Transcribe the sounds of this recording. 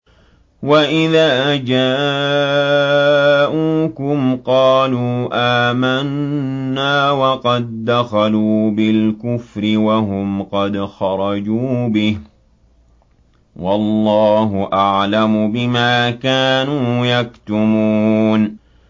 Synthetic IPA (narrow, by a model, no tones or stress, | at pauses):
waʔɪðaːd͡ʒaː | ʔuːkʊmqɑːluːʔaːmanː | aːwɑqɑd̪̚ːaxaluːbɪlkʊfɾɪwaɦʊmqɑd̪xɑɾˤɑd͡ʒuːbɪh | wɑlːɑːɦʊʔaʕlamʊbɪmaːkaːnuːjakt̪ʊmun